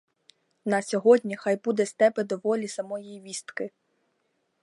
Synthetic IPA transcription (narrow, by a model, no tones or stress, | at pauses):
nɐsʲɔɦɔdʲnʲixɑjbud̪ɛst̪ɛbɛd̪ɔʋɔlʲisɐmɔjijʋʲist̪kɪ